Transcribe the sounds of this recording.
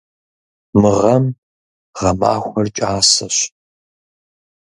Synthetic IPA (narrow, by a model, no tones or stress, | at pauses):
mɨʁɐm | ʁɐma̰ːxʷɐrt͡ʃʼaːsɐɕ